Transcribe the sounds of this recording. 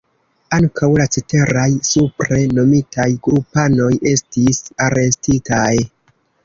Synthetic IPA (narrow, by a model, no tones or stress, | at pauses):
aŋkawlat͡sete̞ɾajsupɾe̞no̞mitʰajɡɾupano̞je̞stisaɾe̞stitaj